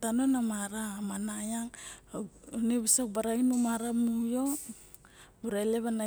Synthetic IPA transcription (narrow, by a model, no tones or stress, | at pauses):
tanonamaɾamanajaŋ | neβisak̚baɾainumaɾamujo̞ | buɾaele̞βana